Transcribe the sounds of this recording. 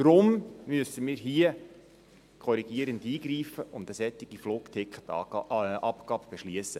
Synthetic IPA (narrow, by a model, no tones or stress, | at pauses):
d̥ɾʊmmyəsəmiːɾɦiə | kʰɔɾiɡiəɾəndiːɡɾiːfəʔʊndəsɛtːɪɡ̥ifloːktʰɪkʰχə̥tʔɑpɡ̥ɑːbb̥eʃliəsːə